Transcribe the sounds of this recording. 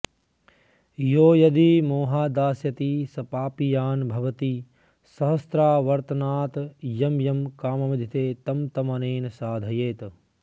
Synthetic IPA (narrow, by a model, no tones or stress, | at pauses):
joːjɐd̪imoːɦaːd̪aːsjɐt̪isɐpaːpijaːnbʱɐʋɐt̪i | sɐɦɐst̪ɾaːʋɐɾt̪ɐnaːt̪jɐmjɐmkaːmɐmɐd̪ʱit̪eːt̪ɐmt̪ɐmɐneːnɐsaːd̪ʱɐjeːt̪ɐ